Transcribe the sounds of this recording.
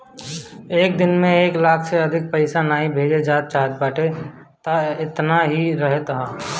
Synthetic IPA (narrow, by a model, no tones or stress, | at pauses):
eːk̚d̪ɪnmẽeːklaːkʰseɐd̪ʱɪk̚pəɪsanaːɦĩbʱeːd͡ʒed͡ʒaːt̪̚t͡ʃaːɦt̪̚baːʈe | t̪aɪt̪naɦiɾɐɦet̪ɦaː